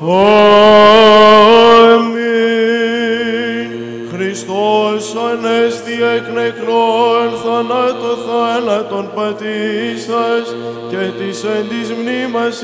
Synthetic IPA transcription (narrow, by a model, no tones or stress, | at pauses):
o | emi | xɾist̪osɐnest̪ieknekɾonθɐnɐt̪oθɐnɐt̪onpɐt̪isɐs | cet̪isend̪izmnimɐs